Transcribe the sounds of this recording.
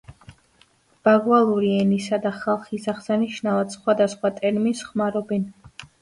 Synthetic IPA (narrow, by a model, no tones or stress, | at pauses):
b̥aɡvalˠuɾiɛnisad̪aχalˠχisaʁsaniʃnavat̪sχwad̪asχwat̪ʼɛɾminsχmaɾɔbɛn